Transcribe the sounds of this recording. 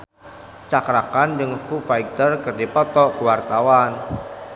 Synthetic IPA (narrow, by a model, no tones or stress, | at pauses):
t͡ʃakɾakand͡ʒəŋfufaj̚t̪ərkərdipɔt̪ɔkəwart̪awan